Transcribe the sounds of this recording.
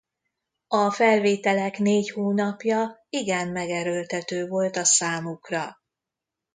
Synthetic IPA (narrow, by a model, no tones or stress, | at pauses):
ɒfɛlveːt̪ɛlɛkneːchoːnɒpjɒiɡɛmːɛɡɛɾølt̪ɛt̪øːvo̞lt̪ɒsaːmukrɒ